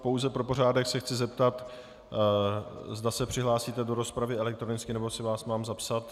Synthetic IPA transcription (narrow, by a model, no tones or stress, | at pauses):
po̞wzɛpɾo̞po̞raːdɛxsɛxt͡sɪzɛpt̪at̪ | zdasɛpr̝̥ɪɦlaːsiːt̪ɛdo̞ɾo̞spɾavɪɛlɛk̚t̪ɾonɪt͡skɪnɛbosɪvaːsmaːmzapsat̪